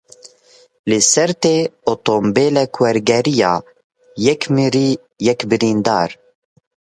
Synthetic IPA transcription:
lɨsɛɾt̪eːot̪ombeːlɛkwɛɾɡɛɾijɑː | jɛkmɨɾiː | jɛkbɨɾiːnd̪ɑːɾ

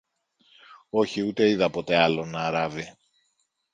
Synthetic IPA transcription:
o̞çiut̪e̞iðɐpo̞t̪e̞ɐlo̞nɐːɾɐvi

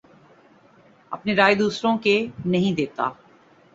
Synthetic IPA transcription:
ɐ̰pneɾaːed̪uːsɾõːkenɐɦĩd̪eːt̪a̰ː

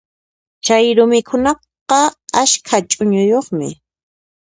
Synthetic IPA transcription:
t͡ʃajɾʊmɪkʰʊnɑq | ɑaskʰat͡ʃʼʊɲʊjoχmɪ̰

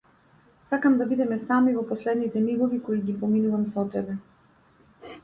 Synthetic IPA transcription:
sakamd̪abid̪ɛmɛsamivɔpɔslɛd̪nit̪ɛmiɡɔvikɔiɡipɔminuvamsɔt̪ɛbɛ

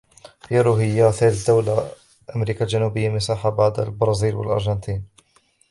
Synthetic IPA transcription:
jaɾuɦɪjːaθeːld̪awla | ʔamɾiːkald͡ʒanuːbɪjːamɪsaːħabaʕd̪a̰lbɑɾˤɑːziːlwa̰lʔɑ̰ɾˤʒɑnt̪ʰiːn

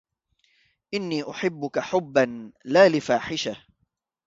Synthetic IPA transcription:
ʔɪnːiːʔʊħɪbːʊkaħʊbːanlaːlɪfaːħɪʃa

